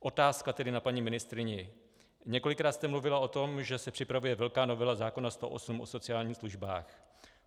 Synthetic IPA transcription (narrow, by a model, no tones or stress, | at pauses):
ʔo̞t̪aːskat̪ɛdɪnapaɲiːmɪnɪst̪ɾɪɲɛ | ɲɛko̞lɪkɾaːt̪st̪ɛmluvɪlaʔo̞t̪o̞mʒɛsɛpr̝̥ɪpɾavujɛvɛlkaːno̞vɛlazaːko̞nast̪o̞̰ʔo̞̰sumʔo̞̰so̞t͡sɪaːlɲiːsluʒba̰ːx